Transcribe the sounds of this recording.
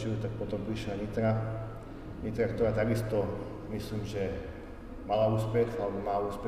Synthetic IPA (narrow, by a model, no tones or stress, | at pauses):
t͡ʃiut̪ak̚pɔt̪ɔmpɾiiʃlaɲit̪ɾa | ɲit̪ɾak̚t̪ɔɾaːt̪aɡist̪ɔ | misliːmʒɛ | malauːspɛtalɛbɔmaːuːspɛ